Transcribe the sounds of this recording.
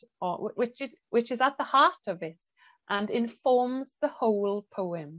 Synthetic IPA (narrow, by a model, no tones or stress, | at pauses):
əwwɪt͡ʃɪz | wɪt͡ʃɪzəʔ̪̚ðəhɑˑtəvɪt | ʔə̃nɪ̃ɱfɔːmzðəhoʊlˠpʰoʊɪ̃m